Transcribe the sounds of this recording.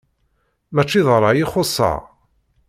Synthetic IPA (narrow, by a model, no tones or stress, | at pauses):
mæt͡ʃːiðˤəɾˤɑjiχosˤːɑ̰ʁ